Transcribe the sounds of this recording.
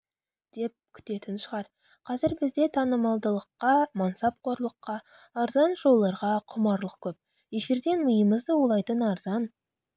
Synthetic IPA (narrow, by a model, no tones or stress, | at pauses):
d̪̥e̞p̚kʲʰʏ̥t̪e̞t̪ɪnʃəʁɑɾ | qʰɑzɪɾbɪzd̪e̞t̪ʰɑnəmɑlˠd̪əlˠəqːɑmɑnsɑp̚qʰoɾlˠəqːɑ | ɑɾzɑnʒo̞lˠːɑɾʁɑqʰʊmɑɾlˠəq̚kʲʰɵp̚ | je̞feɾd̪e̞nmʊjəməzd̪əwolˠɑjt̪ənɑɾz̥ɑn